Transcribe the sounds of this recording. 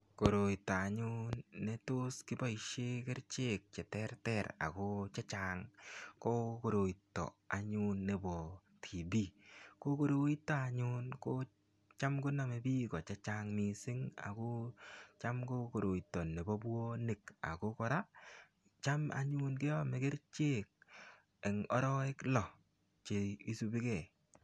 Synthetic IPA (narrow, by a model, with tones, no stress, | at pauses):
ko˨ɾo˨itːa˨a˨ɲʊ˦nːɛ˦to˦skɪ˦ba˦iʃe˦kɪ˦ɾt͡ʃe˦k̚t͡ʃɛ˨tɛ˦ɾtɛɾa̰˨ko˦t͡ʃa˦t͡ʃaŋko˦ko˨ɾo˨itːɔ̰˨a˨ɲʊ˦nːe˨bɔ˨ | tʰi˨bi˦ko˦ko˦ɾo˦i˦tːa˦a˨ɲʊ˦nko˦ | t͡ʃa˦mkʊ˦na˨mɛ˨bi˦kɔ˨t͡ʃɛ˦t͡ʃa˦ŋmi˨sɪ˦ŋa̰˨ko˦t͡ʃa˦mko˦ko˨ɾo˨i˨tːɔ˨nːe˨bɔ˦bwo˦nɪ˨ka̰˨ko˦kɔ˦ɾa˦ | t͡ʃa˦ma̰˨ɲu˦nkɪ˦ɔ˦mɛ˨ɡe˦ɾt͡ʃe˦k̚ | ɛ˨ŋɔ̰˦ɾɔ˦ɪ˦klɔ˨ | t͡ʃe˨i˦su˧bi˦kɛ˨